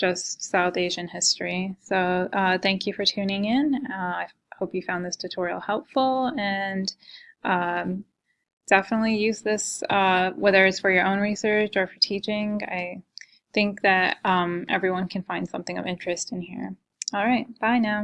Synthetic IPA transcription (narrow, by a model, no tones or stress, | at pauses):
d̥ʒ̥ʌstsaʊθeɪʒɨ̃nhɪstɹ̥isoʊʔʌθæ̃ŋkʰjɨfə˞tʰʉ̃nɪ̃ŋɪ̃nʌaɪ | hoʊpjɨfãʊ̃nðɪstʰɨtʰɔɹil̩ˠhɛlˠpfl̩ˠɨ̃nʔʌ | d̥ɛfənətˡlijʉzðɪsʌwɛðə˞ɨtsfə˞jə˞ʔõʊ̃nɹisɜ˞t͡ʃə˞fə˞tʰit͡ʃɪ̃ŋa̰ɪ | θɪ̃ŋk̚ðɨɾʌ̃mʔɛ̰vɹiwʌ̃nkʰɨ̃nfãɪ̃nd̥sʌ̰̃mθɪ̃ŋʌ̰vɪ̃nt͡ʃɹ̥ɨstɨ̃nhḭɹ | ɔlˠɹaɪt̚b̥aɪnaʊ